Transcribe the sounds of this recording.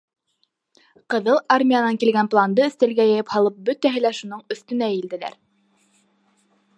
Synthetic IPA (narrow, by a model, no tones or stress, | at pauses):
qɤ̆ðɤlˠarmʲijanɑŋkilɡænplˠand̪ɤɵ̆θt̪ælɡæjæjɘphɑlˠɤp̚bɵt̪æɦɘ̆læʃunɤɴɵ̆θt̪ɵ̆næjild̪ɘ̆læ̰ɾ